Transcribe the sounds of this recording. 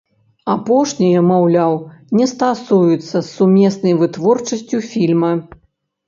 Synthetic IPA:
apɔʂnʲijɐmawlʲawnʲɛst̪asujut̪sːɐsːumʲɛsnɐjvɨt̪vɔrt͡ʂɐsʲt͡sʲufʲilʲmɐ

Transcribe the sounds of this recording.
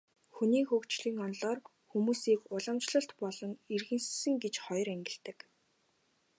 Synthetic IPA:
xuniːxɵkt͡ɕɮiːŋɔnɮɔːr | xumuːsiːkʊɮə̆mt͡ɕɮə̆ɬt̪pɔɮɞ̆ŋirɣɘ̆nssɘ̆ŋɡet͡ɕχɔjræŋɡʲɪ̆ɬt̪ɘ̆k

